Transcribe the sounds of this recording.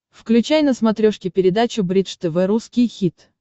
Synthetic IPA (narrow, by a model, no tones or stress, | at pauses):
fklʲʉt͡ɕajnəsmɐt̪ɾʲoʂkʲɪpʲɪɾʲɪd̪at͡ɕʊbɾʲit̪ʂt̪ɛvɛɾuskʲɪjxʲit̪